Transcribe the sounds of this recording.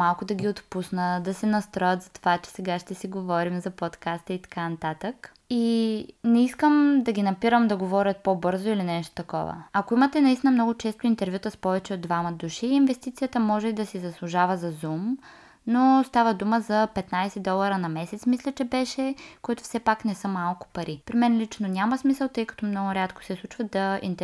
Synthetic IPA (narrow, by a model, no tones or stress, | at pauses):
alˠkʊd̪ɐɡʲiot̪pusnəd̪ɐsɛnɐst̪ɾɔjət̪zɐt̪o̥vat͡ʃɛ̥sɛɡaʃt̪ɛsiɡovɔɾimzɐpɔt̪kast̪əit̪ɐ̥kanɐt̪at̪ək | inɛiskəmd̪ɐɡʲinɐpiɾəmd̪ɐɡovɔɾʲət̪̚pobɤɾzoilinɛʃt̪o̥t̪ɐkɔ̰və̰ɐkoimət̪ɛnɐist̪inəmnɔɡʊt͡ʃɛst̪oint̪ɛɾvʲjut̪əspɔvɛt͡ʃɛod̪vaməd̪uʃiːnvɛst̪it̪sijət̪əmɔʒɛid̪ɐsizɐslˠʊʒavəzɐzum | nost̪avəd̪uməzɐpɛt̪najsɛd̪ɔlˠɐɾənɐmɛsɛt̪smislʲɐt͡ʃɛbɛʃɛkoit̪ʊ̥fsɛpaknɛsɤmalˠkʊ̥pɐɾʔipɾimɛnlit͡ʃnonʲamɐsmisəlˠt̪ɤjkɐ̥t̪ɔmnɔɡʊɾʲat̪ko̥sɛslˠut͡ʃvəd̪ɐḭnt̪